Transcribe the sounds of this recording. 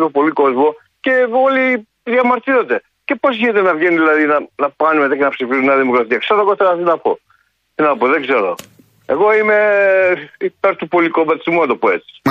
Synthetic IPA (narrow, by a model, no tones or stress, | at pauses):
t̪opo̞liko̞zmo | ce̞o̞li | ðjɐmɐɾt̪iɾo̞td̪e̞ | ce̞po̞sçinet̪enɐvʝeniðilɐðinɐnɐpɐnimet̪ɐcenɐpsifizuniɐðimokɾɐt̪iɐkseɾoeɣoθelɐt̪inɐpo̞̰ | t̪inɐpoðeɡze̞ɾo̞̰ | eɣo̞ime̞ | it̪ɐɾt̪ːupolikomɐt̪szmunɐt̪opoe̞t͡si̥